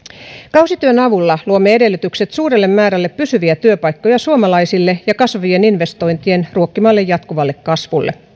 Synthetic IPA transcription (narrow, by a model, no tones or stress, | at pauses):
kɑwsit̪yønɑʋulːɑluomːeede̞lːyt̪ykse̞t̪suːɾelːe̞mːæːɾælːepːysyʋiæt̪yøpɑjkːo̞jɑsuomɑlɑisilːejɑkɑsʋujeninʋe̞st̪o̞jnt̪ie̞nruo̞kːimɑːlːejːɑt̪kuʋɑlːe̞kkɑsʋulːḛ